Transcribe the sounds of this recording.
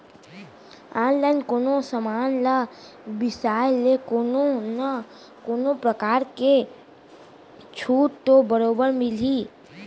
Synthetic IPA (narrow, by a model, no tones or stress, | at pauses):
aːnlaːɪnkoːnosəmaːnla | bɪsaːjlekononə | koːnopɾəkaːɾke | t͡ʃʰuːʈt̪obəɾoːbəɾmɪliː